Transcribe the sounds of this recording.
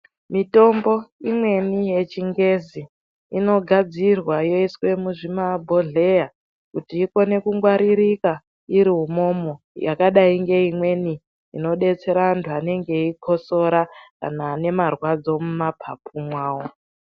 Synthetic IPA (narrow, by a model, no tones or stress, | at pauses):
mito̞mbo̞imwe̞nije̞t͡ʃiŋɡe̞ziː | no̞ɡʱad͡zirwajo̞iswe̞muʐimabʱo̞ɮe̞ja | kutiːko̞ne̞kuŋɡwaɾiɾika | iɾiɦumo̞mo | jakaɗaiŋɡe̞imwe̞ni | ḭno̞ɗe̞t͡se̞ɾaːntʰuane̞ŋɡe̞ikʰo̞so̞ɾaka̰naːne̞marwad͡zo̞mumapʰapʰumwaːo̞